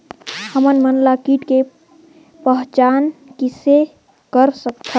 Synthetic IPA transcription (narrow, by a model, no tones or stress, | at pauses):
həmənmənlakiʈke | pəɦt͡ʃankise | kəɾsəkt̪ʰə